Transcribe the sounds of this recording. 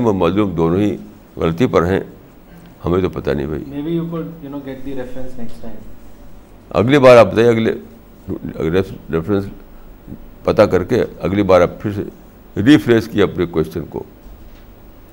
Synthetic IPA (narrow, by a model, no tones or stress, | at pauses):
mɐmaːzluːmd̪oːnõɦi | ɣɐ̰lt̪ipɐɾɦɛ̰̃ | hɐmẽt̪opɐt̪a̰nɐḭ̃bʱa̰ḭmeːbijukʊɖjunoːɡɛʈ̚d̪iɾɛfɾə̃nsnɛksʈãɪ̃m | ɐ̰ɡlibaːɾaːp̚bɐt̪aːiɐɡlḛ | ɾeɾɛfɾə̃ns | pɐt̪akɐɾkeɐɡlibaːɾaːppʰɪɾsḛ | ɾiːpɾeːskieɐpnekwɛst͡ʃənko̰ː